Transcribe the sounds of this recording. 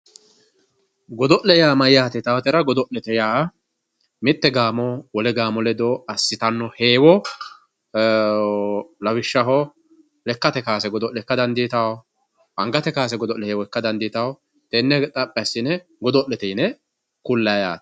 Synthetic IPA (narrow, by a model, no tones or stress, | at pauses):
ɡɔd̪ɔʔlɛjaːmɐjːaːt̪ɛt̪ɐwɐt̪ɛɾɐɡɔd̪ɔʔlɛt̪ɛjaː | mɪt̪ːɛɡaːmɔwɔlɛɡaːmɔlɛd̪ɔɐsːɪt̪ɐnːɔheːwɔ | lɐwɪʃːɐɦɔ | lɛkːɐt̪ɛkaːsɛɡɔd̪ɔʔlɛkːɐd̪ɐnd̪it̪ɐw | hɐŋɡɐt̪ɛkaːs̬ɛɡɔd̪ɔʔlɛheːwɔɪkːɐd̪ɐnd̪ɪt̪ɐw | t̪ɛnːɛt̪ʼɐpʼːɐsːɪnɛ | ɡɔd̪ɔʔlːɛt̪ɛjnɛ | kʊlːɐja̰ːt̪ɛ̥